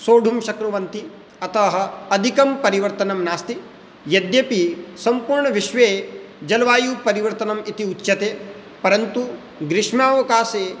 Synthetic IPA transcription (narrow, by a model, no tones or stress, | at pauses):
soːɖʱumʃɐkɾuʋɐnt̪i | ɐt̪ɐɦɐ̆ɐd̪ʱikɐmpɐɾiʋɐɾt̪ɐnɐmnaːst̪i | jɐd̪jɐpisɐmpuːɾɳɐʋiʃʋeː | d͡ʒɐlʋaːjuːpɐɾiʋɐɾt̪ɐnɐmit̪iutːʃɐt̪eː | pɐɾɐnt̪u | ɡɾɪʂmaːʋɐkaːseː